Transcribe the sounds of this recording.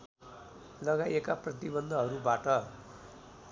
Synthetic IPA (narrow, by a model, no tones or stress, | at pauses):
lʌɡajekaprʌt̪ibʌnd̪ʱʌɦʌɾubaʈʌ